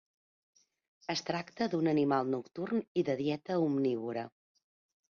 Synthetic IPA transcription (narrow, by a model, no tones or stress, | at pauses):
əst̪ɾakt̪əd̪unənimalˠnukt̪urniðəðjɛt̪əumniβ̞uɾə